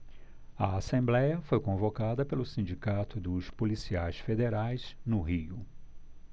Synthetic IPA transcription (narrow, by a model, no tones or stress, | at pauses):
ɐasẽmblɛjɐfojkõvokad̪ɐpelʊsĩnd͡ʒikat̪ʊd̪ʊspolisiajsfed̪eɾajz̥nʊɦiʊ